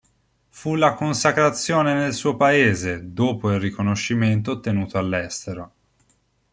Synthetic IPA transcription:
fulːakonsakɾat̪sːjoːnenelsuːopaeːzed̪oːpoilrikonoʃːiment̪̬ot̪ːenuːt̪oalːɛst̪eɾo

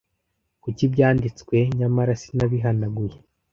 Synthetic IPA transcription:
kucibɟaːndit͡skwe̞ɲamaɾasi̥naβiɦanaɡuje

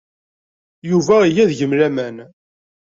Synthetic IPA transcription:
juvæjæðʝəmlæmæn

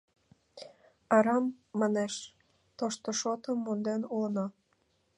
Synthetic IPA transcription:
ɑɾɑmːɑneʃ | t̪oʃt̪oʃot̪əmːond̪enulənɑ

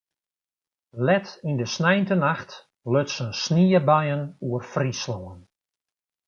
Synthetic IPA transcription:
lɛtindəsnɛjntənaxt | løtsənsniəbajənuərfrislɔən

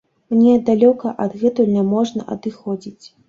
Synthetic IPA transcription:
mnʲɛd̪alʲɔkɐʔɐd̪ɣɛt̪ujlʲnʲɛmɔʐnɐ̰ʔɐ̰d̪ɨxɔd͡zʲit͡sʲ

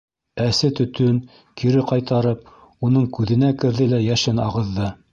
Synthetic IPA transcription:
æsɘt̪ɵ̆t̪ɵn | kiɾɘqɑjt̪ɑɾɤp̚ | unɤɴkʉðɘ̆nækɘ̆ɾðɘlæjæʃɘnɑʁɤ̆ðːɤ

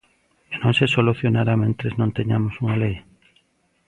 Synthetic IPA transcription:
nõŋsesoluθjonaɾamẽnt̪ɾeznõnt̪eɲamosuŋalej

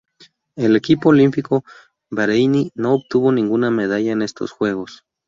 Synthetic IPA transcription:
e̞le̞kipo̞ːlimpiko | beɾejnino̞ːβt̪uβo̞nĩŋɡuname̞ðaʝaene̞st̪o̞̰sxwe̞ɣo̞s

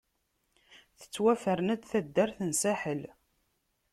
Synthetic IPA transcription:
θə̥t͡sːwæfəɾənæd̪θæd̪ːæɾθənsæħəl

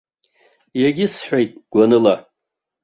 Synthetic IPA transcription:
jaɡʲɪsħʷejtʼɡ̥ʷanɨla

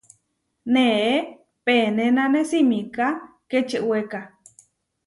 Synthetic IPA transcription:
neʔe | penenanesimika | ket͡ʃeʔweka

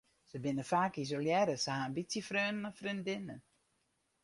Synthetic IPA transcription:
səbɪnəfaːkizoljɛːɾəsəhaːnbitsəfrøːnənəfrindɪnə

